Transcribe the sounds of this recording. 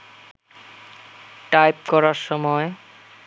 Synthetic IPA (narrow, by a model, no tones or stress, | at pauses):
ʈajp̚kɔɾaɾʃɔmɔe